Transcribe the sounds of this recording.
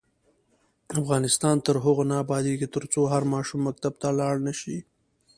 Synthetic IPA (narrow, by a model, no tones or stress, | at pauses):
afɣɑnɪst̪ɑnt̪əɾɦʊɣonɑːbɑd̪ikit̪əɾt͡soɦaɾmɑʃumːak̚t̪ab̚t̪alɑɽnaʃi